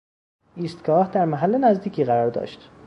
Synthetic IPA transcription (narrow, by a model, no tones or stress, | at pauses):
iːst̪ɡɒːhd̪æɾmæɦælːenæzd̪iːcʰiːɣæɾɒːɾd̪ɒ̰ːʃt̪